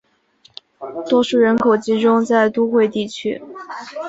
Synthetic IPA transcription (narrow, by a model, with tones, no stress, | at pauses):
t̪wɔ˥ʂu˥˩ɻə˧˥nkʰo˨˩ʊt͡ɕi˧˥ʈ͡ʂʊ˥ŋt͡sa˥˩ɪt̪u˥xwe˥˧ɪt̪i˥˩t͡ɕʰy̰˥